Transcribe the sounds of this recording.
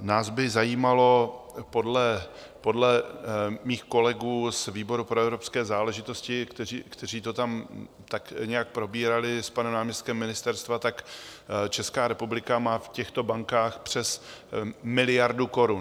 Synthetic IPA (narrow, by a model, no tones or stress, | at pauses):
naːzbɪzajiːmalo̞ | po̞dlɛ | po̞dlɛmiːxko̞lɛɡuːsviːbo̞ɾupɾoɛvɾo̞pskɛːzaːlɛʒɪt̪o̞scɪkt̪ɛikt̪ɛr̝iːt̪o̞t̪am | t̪akɲɛjak̚pɾo̞biːɾalɪspanɛmnaːmɲɛst̪̚kɛmːɪnɪst̪ɛɾst̪vat̪akt͡ʃɛskaːɾɛpublɪkamaːfcɛxt̪o̞baŋkaːxpr̝̥ɛs | mɪlɪjaɾduko̞ɾun